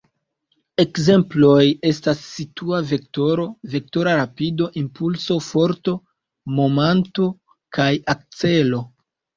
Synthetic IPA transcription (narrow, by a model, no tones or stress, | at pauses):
e̞kze̞mplo̞je̞stasːituave̞k̚to̞ɾo̞ve̞k̚to̞ɾaɾapido̞ʔimpulso̞fo̞ɾto̞ | mo̞manto̞ | kajak̚t͡se̞lo̞